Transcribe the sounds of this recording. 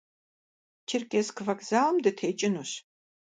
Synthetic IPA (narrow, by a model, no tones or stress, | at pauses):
tʰɪrkʼeskʰɨvɐkz̥aːlmdɨtʰeːt͡ʃʼɪnuɕ